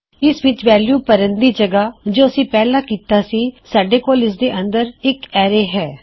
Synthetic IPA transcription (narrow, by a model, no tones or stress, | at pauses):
ɪsʋɪt͡ʃʋɛːljuːpəɾə̃nd̪iːd͡ʒəɡaːd͡ʒoːəsĩːpɛːlaːkiːt̪aːsiːsaːɖeːkoːlɪs̬d̪eːʔə̃nd̪əɾɪkɛːɾeːɦɛː